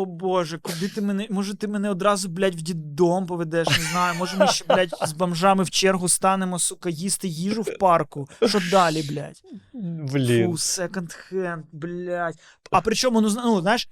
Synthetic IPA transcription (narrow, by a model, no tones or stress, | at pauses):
oboʒɛkʊd̪ɪt̪ɪmenɛmɔʒɛt̪ɪmɛnɛɔd̪ɾɑzʊblʲatʲwdʲid̪ompɔʋed̪ɛʃnɪznɑjʊmɔʒɛmnɛʃɛblʲat̚ʲzbɐmʒɑmɪwt͡ʃɛrɦʊst̪ɑnemɔsʊkɐjist̪ɪjiʒʊwpɑrkʊʃɔd̪ɑlʲiblʲa̰tʲʋlʲiusɛkɔnt̪xɛnt̪blʲatʲ | ɐpɾɪt͡ʃɔmʊnuznuznɑjɪʃ